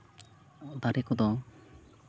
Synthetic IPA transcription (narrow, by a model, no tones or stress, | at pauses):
d̪aɾekɔd̪ɔ